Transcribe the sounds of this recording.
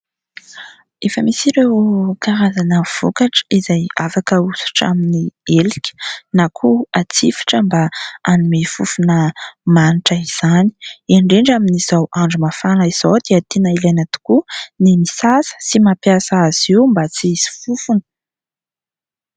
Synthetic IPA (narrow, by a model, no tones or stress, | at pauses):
efəmisiɾewkaɾazanəv̥okaʈ͡ʂə̥izajafakəusu̥ʈ͡ʂa̰minielikʲə̥nakʰuat͡sifi̥ʈ͡ʂəmbaanimefufunəmaniʈ͡ʂəiz̥ani̥eɳɖ͡ʐeɳɖ͡ʐaminiz̥awʔaɳɖ͡ʐumafanəiz̥owd̪eət̪enailajnat̪u̥kunimisasə̥simapjasaaz̥iwmbat͡siiz̥i̥fufunə̥